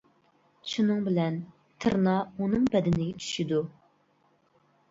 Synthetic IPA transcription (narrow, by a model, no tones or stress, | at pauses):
ʃunɨŋbɪlɛn | t̪ʰɨ̰ɾnɑunɨŋbɛd̪ɪnɪɡʲɛt͡ʃʰy̥ʃid̪u